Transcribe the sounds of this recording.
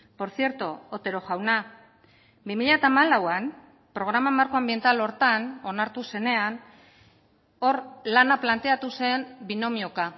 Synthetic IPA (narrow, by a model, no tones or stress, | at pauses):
po̞ɾθje̞ɾt̪oot̪e̞ɾo̞ʝawna | bimiʎat̪aːmalawan | pɾo̞ɣ̞ɾamamaɾko̞ambje̞nt̪alo̞ɾt̪ano̞naɾt̪use̞ne̞an | o̞ɾlanaplant̪e̞at̪use̞mbino̞mio̞ka